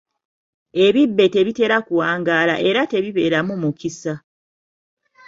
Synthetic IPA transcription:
e̞βibːe̞te̞βite̞ɾakuwaːŋɡaːla̰ʔe̞ɾate̞βiβe̞ːɾamumukisa

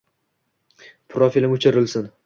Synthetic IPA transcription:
pʰɾofilʲɪmʊt͡ʃʰɪɾɪlsɪn

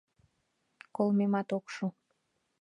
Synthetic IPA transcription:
kolmemɑt̪okʃu

